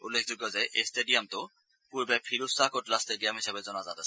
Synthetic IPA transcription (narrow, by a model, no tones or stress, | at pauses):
ṵlːekʰd͡ʑoɡːɔzaeʔesʈeɖiamt̪o | puɾbepʰiɾusakoʈlasʈeɖijamɦiʃabezɔnazat̪asʰ